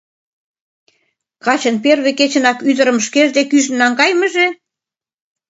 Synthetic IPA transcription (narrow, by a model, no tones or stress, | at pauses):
kɑt͡ɕə̆nperβeket͡ɕə̆nɑkyd̪ə̆ɾə̆mʃkeʒd̪ekyʒə̆nnɑŋɡɑjmə̆ʒe